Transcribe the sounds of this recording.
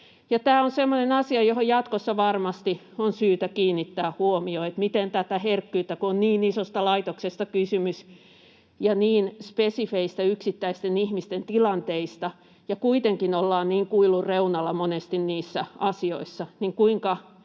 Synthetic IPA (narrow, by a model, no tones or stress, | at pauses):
jɑt̪æːonsemːonenɑsiɑjohojjɑt̪kosːɑʋɑrmɑst̪i | onsyːt̪ækiːnːit̪ːæːhuomioet̪mit̪ent̪æt̪æherkːyːt̪ːækuonniːnisost̪ɑlɑit̪oksest̪ɑkysymys | jɑniːnspesifeist̪æyksit̪ːæist̪enihmist̪ent̪ilɑnt̪eist̪ɑ | jɑkuit̪eŋkinolːɑːnniːŋkuilːˑurreunɑlːɑmonest̪inniːsːæʔɑsio̰isːɑniŋkuiŋkɑ